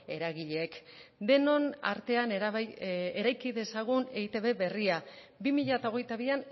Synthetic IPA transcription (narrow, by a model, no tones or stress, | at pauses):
e̞ɾaɣiʎeekd̪e̞no̞na̰ɾt̪e̞an | eɾajkiðe̞saɣ̞uneit̪e̞βe̞βe̞ria | bimiʎaet̪ao̞ɣ̞e̞jt̪aβ̞ian